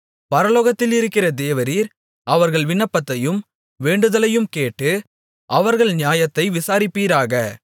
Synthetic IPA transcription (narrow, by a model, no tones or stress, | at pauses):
pɐɾɐloːɣɐt̪ːɪlɪɾɯkːɪrɐd̪eːʋɐɾiːɾ | ɐʋɐɾɣɐɭʋɪnːɐpːɐt̪ːɐjɯm | ʋeːɳɖɯðɐlɐjɯmkeːʈːɯ | ʔɐʋɐɾɣɐɭnɪjaːjɐt̪ːɐɪʋɪsaːɾɪpːiːɾaːɣɐ